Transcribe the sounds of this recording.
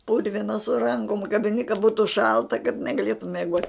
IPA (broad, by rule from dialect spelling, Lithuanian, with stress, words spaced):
ˈpʊrʲʋʲɪnɐ sʊ ˈrɐŋkoːm kɐbʲɪˈnʲɪ kɐ ˈbuːtʊ ˈʃɐlˠtɐ kɐt nʲɛɡɐˈlʲeːtʊm mʲiɛˈɡoːtʲ